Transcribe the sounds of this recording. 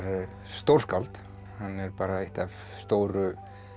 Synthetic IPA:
ɾ | st̪owr̥skawlt̪ | hanːɛɾpaːɾaeht̪av | st̪owɾʏ

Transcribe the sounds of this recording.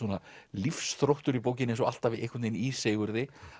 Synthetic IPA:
uːnalifsθɾowht̪ʏɾipoːwc̬ɪnensɔa̰l̥t̪avɪðḛjkʰvʏnejniseːjɣʏɾðɪ

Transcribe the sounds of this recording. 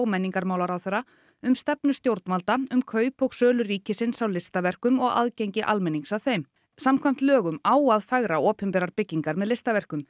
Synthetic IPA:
wmɛnːiŋkaɾmaːwlaɾawθɛrːa | ʏmst̪ɛpnʏst̪jowɾt̪nmalt̪aʏmkʰœːɥpɔɣsœːlʏriːcɪsɪnsawlɪst̪avɛr̥kʏmɔɣa̰ðcejɲcɪʔa̰lmɛnːiŋksaðθejm | samkʰvajm̥t̪lœːɣʏmaːwaðfaɣɾaɔːpʏmpɛːɾaɾpɪcːiŋkaɾmɛðlɪst̪avɛr̥kʏm

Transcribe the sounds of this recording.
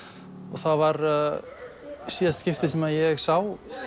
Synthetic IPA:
ɔɣθaðvaɾ | siːðast̪scɪft̪ɪsɛmaðjɛɣsaw

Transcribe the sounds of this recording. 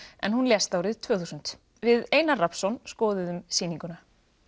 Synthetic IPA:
ɛ̰nɦunljɛst̪awɾɪðt̪ʰv̥œːθuːsʏnt̪ | vɪðeːjnarapsɔnskɔːðɪðʏmsiːniŋkʏna

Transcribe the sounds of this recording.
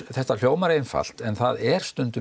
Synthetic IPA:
θɛht̪al̥joːwmaɾeːjnfa̰l̥t̪ɛnθaðɛɾ̥st̪ʏnt̪ʏ

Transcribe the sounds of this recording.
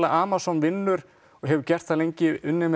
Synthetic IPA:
laʔaːmasɔnvɪnːʏɾ̥ | ɔɣɦɛvʏɾcɛr̥t̪θaðlejɲcɪʏnːɪm

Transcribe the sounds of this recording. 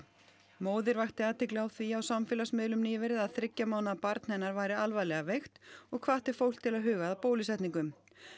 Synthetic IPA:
moːwðɪɾvaxt̪ɪaːt̪ɪklawθviawsamfɪːlasmɪðlʏmniːvɛɾɪðaðθɾɪcːamaːwnaðpaɾt̪n̥hɛnːaɾvaːjɾɪalvajlɛɣavejxt̪ɔɣkʰvaːt̪ɪɾ̥fowl̥t̪ʰːɪlaðɦʏːɣaðapoːwlɪsɛht̪niŋkʏm

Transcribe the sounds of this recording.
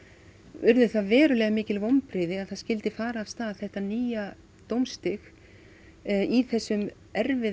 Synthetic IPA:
vʏɾðʏθaðvɛːɾʏlɛːɣamɪːcɪlvowmpɾɪðɪaðθaðscɪlt̪ɪfaːɾaːv̥st̪aːðθɛht̪aniːja | t̪owmst̪ɪx | iθɛsːʏm | ɛɾvɪ

